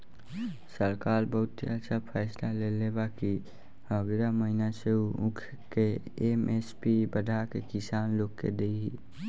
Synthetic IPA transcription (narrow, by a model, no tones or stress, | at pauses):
səɾkaːlbəɦʊt̪ːiat͡ʃʰapʰɛːslalelebaki | həɡɾaməɦɪnaseuʊ̃kʰ | ke | emespibəd̪ʱakekɪsaːnloːkːḛd̪eiɦi